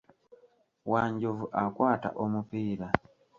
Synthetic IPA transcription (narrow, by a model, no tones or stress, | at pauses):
waːɲɟovuʔakwaːta̰ʔomupiːɾa